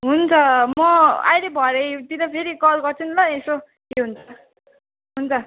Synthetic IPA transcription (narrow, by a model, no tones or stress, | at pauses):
ɦunt͡sʰʌmmʌa̰jɾebʱʌɾʌt̪iɾʌpʰeɾikʌlɡʌrt͡sʰunlʌeso | keɦunt͡sʰʌ | ɦunt͡sʰʌ